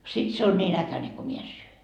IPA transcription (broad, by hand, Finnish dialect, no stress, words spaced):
sit se on nʲiːn ækæneŋ ko mie en syø